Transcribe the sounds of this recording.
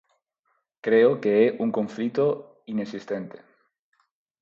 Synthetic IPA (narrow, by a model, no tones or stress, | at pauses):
kɾeokeɛʔuŋkõɱflit̪o | inesist̪ent̪e̥